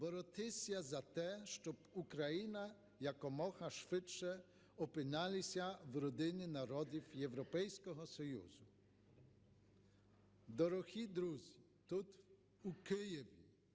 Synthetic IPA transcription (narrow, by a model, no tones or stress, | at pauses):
bɔɾɔt̪ɪsʲjazat̪ɛʃt͡ʃɔbukɾajina | jakɔmɔxɐʃʋɪt͡ʃt͡ʃɛ | ɔpɪnalʲɪsʲawɾɔd̪ɪnʲɪnaɾɔd̪ʲiwjɛwɾɔpɛjsʲkɔɦɔsɔjṵzʊ | d̪ɔɾɔxʲid̪ɾuzʲi | t̪ut̪ | ukɪjɛʋʲi